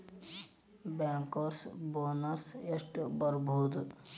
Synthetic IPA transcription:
baːŋkoɾsboːnəɾsesʈbəɾbʱuːd̪

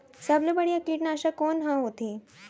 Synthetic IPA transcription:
sablebaɽijakiʈnaːɕakonɦãɦot̪i

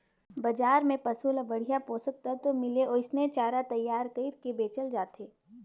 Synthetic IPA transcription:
bɐd͡ʒaːɾmẽpɐsulabɐɽ̤ijapoːsək̚t̪at̪omɪleoɪsnet͡ʃaːɾat̪ɐjːaːɾt̪eːɾkebeːt͡ʃəld͡ʒaːt̪ʰeː

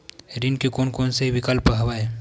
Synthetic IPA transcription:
ɾinkekoːnkoːnseɦiʋɪkɐlpɦɐʋae

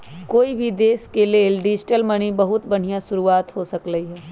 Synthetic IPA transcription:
koːibʱid̪eːskeleːlɖɪd͡ʒɪʈəlmɐɽ̃ibɐɦʊt̪bɐɽ̤ijãʃʊɾuaːt̪ɦosɐkɾəɦiɦɛː

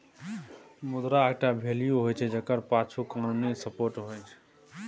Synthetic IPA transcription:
mud̪ɾaeɡ̚ʈabʱelijuɦojt͡ʃʰɛd͡ʒəkəɾpat͡ʃʰukanunisəpoɾʈɦojt͡ʃʰɛ̥

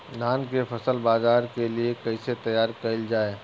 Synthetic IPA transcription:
naːnkefʰɐsəlbaːzaːɾkeliekɐiset̪ɐjaːɾkɐld͡ʒaːeː

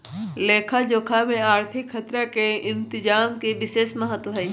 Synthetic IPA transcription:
leːkʰad͡ʒoːkʰamẽaːɾt̪ʰɪkʰːɐt̪ɾakeɪ̃nt̪ɪd͡ʒaːmkeʋɪʃeːʃmɐɦət̪wəɦaĩ

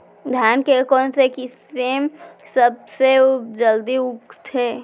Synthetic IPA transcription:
d̪ʱjaːnkekɔ̃ːnsekiseːmsəb̚sed͡ʒəld̪iʊkt̪ʰe

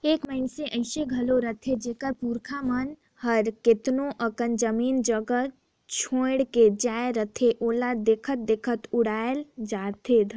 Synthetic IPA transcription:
eːkməɪnseʔəɪseɡʱɐloɾət̪ʰed͡ʒeːkəɾpuːɾkʰamən | ɦəɾkɪt̪noʔəkənd͡ʒəmiːnd͡ʒəɡə | t͡ʃʰõːɽked͡ʒaːeɾət̪ʰeʔoːlad̪eːkʰət̪̚d̪ekʰət̪ʊɽaːjeld͡ʒaːt̪ʰed̪

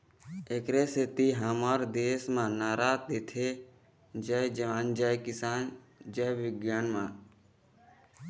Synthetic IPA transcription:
eːkɾeːset̪iːɦaːmaːɾd̪eːsmãːnaːɾaːtd̪eːt̪ʰeː | d͡ʒaːjd͡ʒəʋaːnd͡ʒaːjkɪsaːn | d͡ʒaːjʋɪɡjaːnmãː

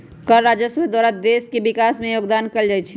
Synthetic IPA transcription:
kəɾɾad͡ʒəsəbd̪aɾad̪eskebikasmẽjoːɡd̪ankəld͡ʒajt͡ʃʰ

